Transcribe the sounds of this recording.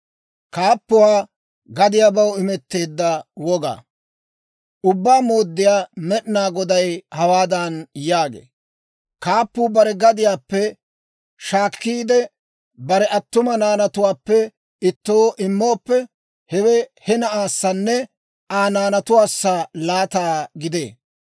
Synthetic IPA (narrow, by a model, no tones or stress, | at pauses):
kaːpːʊwaː | ɡɐd̪ɪjaːbɐwɪmɛt̪ːeːd̪ːɐwɔɡa̰ː | ʔʊbːaːmoːd̪ːɪjaːmɛɗnaːɡɔd̪ɐjhɐwaːd̪ɐnjaːɡḛː | kaːpːʊːbɐɾɛɡɐd̪ɪjaːpːɛ | ʃaːkːiːd̪ɛ | bɐɾɛʔɐt̪ːʊmɐnaːnɐt̪ʊwaːpːɛ | ɪt̪ːo̞ːʔɪmːoːpːɛ | hɛwɛhɛnɐʔaːsːɐnːɛ | ʔaːnaːnɐt̪ʊwaːsːalaːt̪aːɡɪd̪ḛː